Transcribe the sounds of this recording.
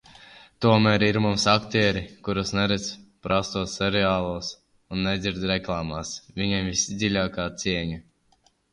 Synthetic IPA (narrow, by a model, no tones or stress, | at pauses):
t̪uɔmæːɾiɾmumsakt̪ʲeːɾikuɾɨsnɛɾɛt̪spɾʔast̪uɔssɛɾɛaːlˠuɔs | unːɛd̪zʲiɾd̪ɾɛklˠaːmasvʲiɲɛmvʲisid̪zʲilʲaːkaːt̪siɛɲa